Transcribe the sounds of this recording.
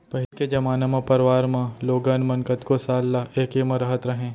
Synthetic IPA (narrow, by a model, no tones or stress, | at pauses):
pɐɦɪlked͡ʒɐmaːnẽmɐ̃pɐɾʋaːɾmɐ̃loːɡanmɐ̃nkət̪kosaːlːɐeːkemɐ̃ɾɐɦət̪ɾɐɦẽː